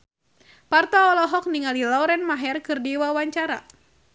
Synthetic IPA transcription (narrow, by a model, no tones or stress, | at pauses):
part̪ɔːlɔɦɔk̚niŋalilɔwɾɛnmaɦɛrkɨrdiwawaɲt͡ʃaɾa̰